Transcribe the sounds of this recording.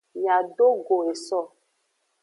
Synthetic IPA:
ja˨ɖo˦ɡo˨e˨sɔ˦˨

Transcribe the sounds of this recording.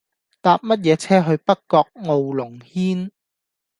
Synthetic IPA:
t̪aː˧p̚mɐ˥t̬̚jɛː˨˧t͡sʰɛː˥ɦɵ˧ɥpɐ˥tkɔː˧k̚ŋo˨wlʊ˨˩ŋhiː˥n

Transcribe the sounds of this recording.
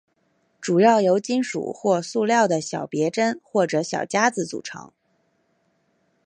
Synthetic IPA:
ʈ͡ʂu˨˩jɑ˥˩ʊjo˧˥ʊt͡ɕi˥nʂṵ˨˩xwɔ˥˧su˥˧ljɑ˥˩ʊd̪ə˩ɕjɑ˨˩ʊpjɛ˧˥ʈ͡ʂə˥nxwɔ˥˩ʈ͡ʂɤ˧˥ɕjɑ̰˨˩ʊt͡ɕja˥d͡zɹ̩˧t͡sṵ˨˩ʈ͡ʂʰɤ̰˧˥ŋ

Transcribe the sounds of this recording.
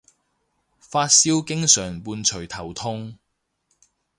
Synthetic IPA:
faː˧t̚siː˥wkɪ˥ŋsœː˨˩ŋpuː˧nt͡ʃʰɵ˨˩jt̪ʰɐ˨˩wt̪ʰʊ˥ŋ

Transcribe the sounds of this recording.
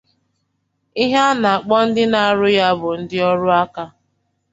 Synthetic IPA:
i˦ɦa˦na˨a˨k͡pɔ˦n̩˦dɪ˦na˨a˨ɾʊ˦ja˦bʊ˨n̩˦dɪ˦ɔ˦ɾʊ˦a˦ka˦

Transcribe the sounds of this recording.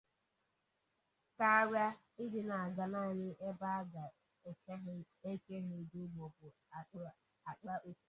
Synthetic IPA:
ka˦ɾja˦ | ɪ˦dɪ˨na˨a˨ɡa˨na˦˨ɲɪ˦ʔe˦ba˦a˦ɡa˨ | e˨k | e˦ke˦ɦɪ˦˨du˦mɔ˨bʊ˨ | a˨k͡pʊ˦˨ | a˨k͡pa˦ʔo˦˨

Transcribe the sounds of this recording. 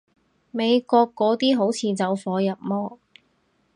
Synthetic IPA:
me˨˧jkɔː˧kːɔː˨˥t̪iː˥ɦo˨˥wt͡sʰiː˨˧t͡sɐ˨˧wfɔː˨˧jɐ˨˩p̚mɔː˥

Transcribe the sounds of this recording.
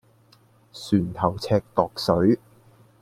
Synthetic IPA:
syː˨˩nt̪ʰɐ˨˩wt͡sʰɛː˧k̚t̪ɔː˨k̚sɵ˨˥ɥ

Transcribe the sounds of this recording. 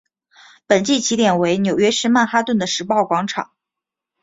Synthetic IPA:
pə˨˩nt͡ɕi˥˩t͡ɕʰi˧˥t̪jɛ˨˩nwe˧˥ɪnjo˨˩ʊɥɛ˥ʂɻ̩˥ma˥˩nxa˥t̪wə˥˩nd̪ə˩ʂɻ̩˧˥pɑ˥˩ʊkwɑ˧˥ŋʈ͡ʂʰɑ̰˨˩˦ŋ

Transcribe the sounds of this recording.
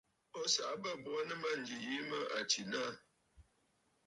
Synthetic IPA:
ɔ˦sa˨ʔbə˦˨bwa˦nə˦ma˦n̩˨d͡ʒi˨ji˦mə˦a˨t͡ʃi˨na˦˨

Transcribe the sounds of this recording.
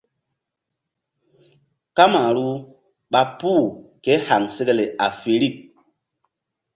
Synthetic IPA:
ka˦ma˨ɾu˦ | ɓa˨puː˦˨ke˨˦ha˨ŋse˦ɡe˦le˨ʔa˨fe˨ɾi˦˨k̚

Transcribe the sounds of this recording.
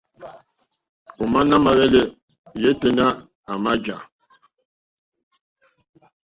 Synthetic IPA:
u˨ma˦na˦ma˨ɣɛ˦le˦ | je˦tə˦˨na˦ | a˨ma˦d͡ʒa˨

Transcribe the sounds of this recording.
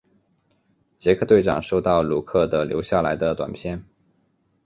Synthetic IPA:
t͡ɕjɛ˧˥kʰɤ˥˧t̪we˥˩ɪʈ͡ʂɑ̰˨˩ŋʂo˥˧ʊt̪ɑ˥˩ʊlu˥˩kʰɤ˥˩d̪ə˩ljo̰˧˥ʊɕja˥˩la˧˥ɪd̪ə˧t̪wa̰˨˩npʰjɛ˥˩n

